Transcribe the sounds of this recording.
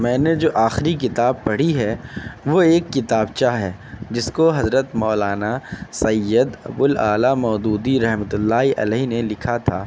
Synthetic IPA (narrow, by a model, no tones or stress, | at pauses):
mɛ̃ːned͡ʒoːʔaːxɪɾik̬ɪt̪aːb̚pɐɽ̤iɦɛʋoeːkːɪt̪aːbt͡ʃaːɦɛː | d͡ʒɪskoɦɐzɾət̪mɔːlaːnasɐjːəd̪ɐ̰bʊlaːlamɔːd̪uːd̪iɾɐɦmət̪ʊlːaːiʔɐ̰lɛɦnelɪkʰat̪ʰaː